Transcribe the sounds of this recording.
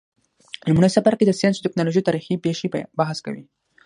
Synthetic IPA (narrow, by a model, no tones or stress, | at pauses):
namunajsafaɾked̪əsijɑnsut̪ɪknɑloʒit̪aːɾixipeʃibaɦaska̰wḭ